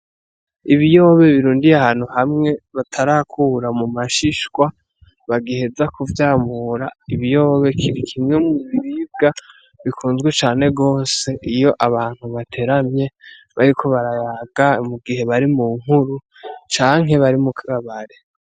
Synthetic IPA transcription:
iβijo̞βe̞βiɾuːndijahaːn̥huhamŋe̞βatʰaɾakʰuːɾamumaʃiʃkwa | βaɡihe̞zakuvjaːmuɾaiβijo̞ːβe̞kʰiɾikʰimŋe̞muβiɾib̚ɡa | βikʰuːnzɡwet͡ʃaːne̞ɡo̞ːse̞ʔijo̞ʔaβaːn̥huβatʰe̞ɾamɲe̞ | βaɾikʰo̞βaɾajaɡ̥amuɡihe̞βaɾimuːŋ̥huɾu | t͡ʃaːŋe̞βaɾimukʰaaβaɾe

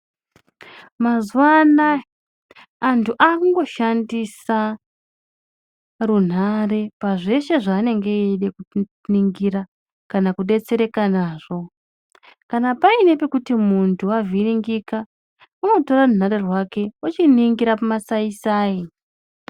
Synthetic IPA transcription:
mazwana | ntʰuʔakuŋɡo̞ʃandisa | run̤are̞paʐe̞ʃe̞ʐaːne̞ŋɡe̞eɗe̞ku | niŋɡiɾa | kanakuɗe̞t͡se̞ɾe̞kanaːʐ̥o̞ | kanapaine̞pe̞kutimuntʰuaviriŋɡika | uno̞to̞rarun̤aɾe̞rwake̞ot͡ʃiniŋɡiɾapamasaisaːi

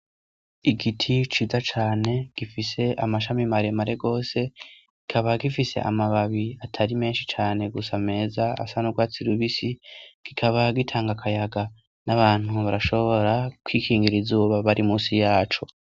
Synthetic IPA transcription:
iɡitʰit͡ʃiːzat͡ʃaːne̞ɡ̥ifise̞ʔamaʃamimaɾemaɾe̞ɡo̞ːse̞ | ɡ̥ikʰaβaɡifise̞̰ʔa̰maβaβiatʰaɾime̞ːnʃit͡ʃaːne̞ɡusame̞ːzaa̰sanuɡwaːt͡siɾuβisiɡ̥ikʰaβaɡitʰaːŋɡakʰajaɡa | naβaːn̥huβaɾaʃo̞βo̞ɾakwiːkʰiːŋɡiɾizuːβaβaɾimuːsijaːt͡ʃo̞

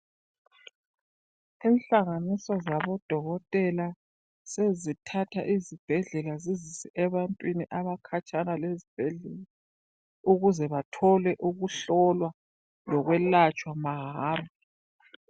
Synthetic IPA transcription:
inɬaŋanisɔzaβɔd̥ʱɔɣɔtʼɛla | sezitʰatʰaʔizib̥ʱɛɮɛlazizisɛʔɛβantʼwiniʔaβakʰat͡ʃʼanalezib̥ʱɛɮɛla | uɣuzɛβatʰɔlɛʔuɣuɬɔlwa | lɔɣwɛlat͡ʃʼwamaɦaːrɔ

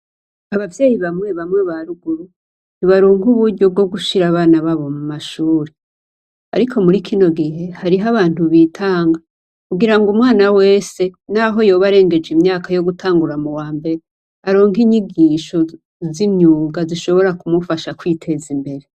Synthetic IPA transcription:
aβavjeːjiβamŋe̞βamŋe̞βaɾuɡuɾu | βiβaɾuːŋɡuβuɾɟo̞b̚ɡo̞b̚ɡuʃiɾaβaːnaβaβo̞mumaʃuːɾe | a̰ɾikʰo̞muɾikʰino̞ɡiɦe̞haɾiɦaβaːn̥uβitʰaːŋɡa | kuɡiɾaŋɡumŋwaːnawe̞ːse̞naɦo̞jo̞ːβaɾe̞ːŋɡe̞d͡ʒimɲaːkajo̞ɡutʰaːŋɡuɾamuwaːmbe̞ɾe | aɾoːŋɡiɲiɡiʃo̞ | ziɲɲuːɡaziʃo̞βo̞ɾakumufaʃakwitʰe̞zimbe̞ɾe

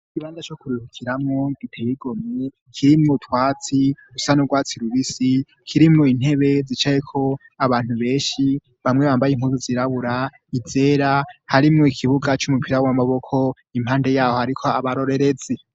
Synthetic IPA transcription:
ikiβaːnzat͡ʃokuɾihukʰiɾamŋoɡ̥itʰeβiɡo̞mɲe | kʰiɾimutwaːt͡si̥usanuɡwaːt͡siɾuβisi | kʰiɾimoin̥he̞βezit͡ʃajekʰo̞ | aβaːn̥huβe̞ːnʃi | βamŋe̞βaːmbajim̥huːzuziɾaβuɾa | ize̞ːɾahaɾimŋoikʰiβuɡat͡ʃumupʰiɾawamaβo̞kʰo̞ | im̥haːnde̞jaːho̞haɾikʰo̞aβaɾo̞ɾe̞ɾe̞ze

